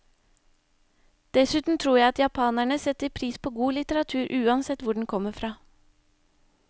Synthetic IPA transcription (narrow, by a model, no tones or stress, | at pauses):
d̪̥ɛsʉːt̪n̩t̪ʰɾuːɾjæɪɑt̪jɑpʰɑːnæɳəsɛt̪əɾpʰɾiːspʰoːɡuːlɪt̪əɾɑt̪ʰʉːɾʔʉːɑnsɛt̪ʋʊɖɳ̩kʰɔmːəfɾɑː